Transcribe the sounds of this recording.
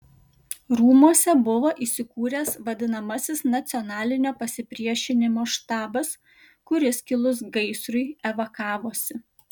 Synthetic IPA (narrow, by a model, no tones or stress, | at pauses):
ɾuːmuɔsʲɛbʊʋoːʔiːsʲɪkuːɾʲɛsʋɐd̪ʲɪnɐmɐsʲɪsnɐt̪sʲɔnɑːlʲɪnʲoːpɐsʲɪpʲɾʲiɛʃʲɪnʲɪmoːʃt̪ɑːbɐs | kʊɾʲɪskʲɪlˠʊsɡɐɪsɾʊɪɛʋɐkɑːʋoːsʲɪ